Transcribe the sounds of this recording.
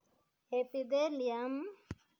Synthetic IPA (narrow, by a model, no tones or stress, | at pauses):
epid̪eliam